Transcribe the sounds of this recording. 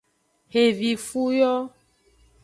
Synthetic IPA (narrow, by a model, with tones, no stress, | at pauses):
he˨vi˨fu˦jɔ˦